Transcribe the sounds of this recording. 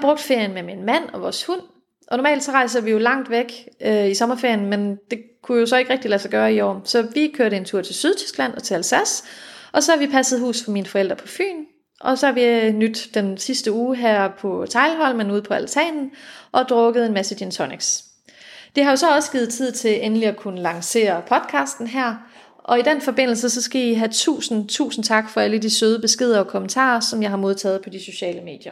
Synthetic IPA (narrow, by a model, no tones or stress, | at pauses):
b̥ʁɔ̽ɡ̥̚d̥fe̝ɐ̰jənmeminmæn̰ɒ̽ʋɒːshun̰ | ʔɒ̽nɔːmɛ̰ːld̥sɒ̽ʁɑ̈ɪs̬ɐʋijo̝lɑ̈ŋ̰d̥ʋeɡ̥øisɒ̽mɐfe̝ɐ̰jənmend̥e̝kʰujo̝sɒ̽e̝ɡ̥ʁɛɡ̥d̥ilæsɑɡ̥ɶːɐiɒ̰ːsɒ̽ʋikʰøɐɾəe̝nt͡sʰuɐ̰t͡sʰe̝lsyð̞ˠt͡sʰy̥sɡ̥læn̰ɒ̽t͡sʰeælsæsʔɒ̽sɒ̽hɑʋipʰæsəð̞̩ˠɦṵːsfɒ̽miːnəfɒ̽el̰d̥ʁɐpʰɒ̽fy̰ːn | ʔɒ̽sɒ̽hɑ̈ʋinyd̥d̥ensisd̥əuːɦæɐ̰pʰɒ̽t͡sʰɑ̈ɪlɦɒ̽l̰menuð̰ˠpʰɒ̽ælt͡sʰɛ̰ːnn̩ʔɒ̽d̥ʁɔ̽ɡ̥əð̞̩ˠe̝nmæsəd̥ent͡sʰɒneɡ̥s | d̥ehɑ̈jo̝sɒ̽ɒ̽səɡ̥iːð̞̩ˠt͡sʰið̰ˠt͡sʰe̝lenliɒkʰunəlɑ̈ŋse̝̰ːɐpʰɒ̽d̥kʰɑ̈ːsd̥n̩ɦæɐ̰ | ʔɒ̽id̥enfɒ̽b̥e̝n̰l̩səsɒ̽sɡ̥æiɦæt͡sʰṵːsn̩t͡sʰṵːsn̩t͡sʰɑ̈ɡ̥fɒ̽æləd̥isøːð̞ˠəb̥e̝sɡ̥e̝ð̞̰ˠɐɒ̽kʰo̽mənt͡sʰɑ̰̈ːɐsɒ̽mjɑ̈ɪɦɑ̈mo̝ð̞ˠt͡sʰɛ̰ːð̞̩ˠpʰɒ̽d̥iso̝ɕɛ̰ːləme̝̰ːd̥jɐ